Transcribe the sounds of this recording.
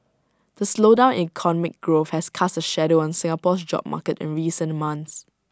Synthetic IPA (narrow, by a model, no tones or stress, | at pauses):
d̥əslodãʊ̃nikʰɔnɔmɪk̚ɡɹofhɛskʰasəʃɛdoɔ̃nsɪ̃ŋapɔsd͡ʒɔ̰b̚ma̰kətɪ̰̃nɹiːsə̃nmãns